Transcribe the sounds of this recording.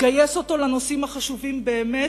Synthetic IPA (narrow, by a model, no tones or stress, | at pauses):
ɡajeso̞t̪o̞lano̞simaχaʃuvimbe̞ːme